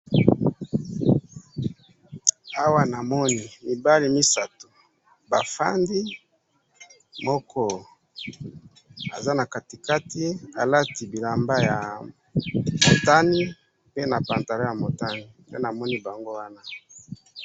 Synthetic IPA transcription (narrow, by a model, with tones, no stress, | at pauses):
a˦wa˦na˨mɔ˦ni˨mi˨ba˦li˨mi˦sa˨to˨ | ba˨fa̰˦ndi˦ | mɔ˦kɔ˦ | a˨za˦na˨ka˨ti˨ka˦ti˦a˨la˦ti˨bi˨la˨mba˦ja˨ | mo˨ta˦ni˦ | pe˦na˨pa˨nta˨la˦ja˨mo˨ta˦ni˨pe˦na˨mɔ˦ni˦ba˨ŋɡo˦wa˦na˦